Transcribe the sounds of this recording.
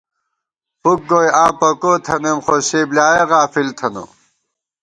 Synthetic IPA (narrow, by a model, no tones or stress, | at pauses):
puk̚ɡojãːpɐkoːt̪ʰɐnemχoseːblaːjeɣaːfilt̪ʰɐnṵ